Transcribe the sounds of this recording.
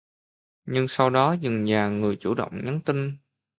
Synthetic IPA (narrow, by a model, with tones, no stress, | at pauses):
ɲɨ˧ŋsa˧wɗɔ˨˦zɨ˨˩ŋɲaː˨˩ŋɨ˨˩əjt͡ɕu˧˩ɗə̰˧˨wŋ͡mɲə˨˦nt̪i˧ŋ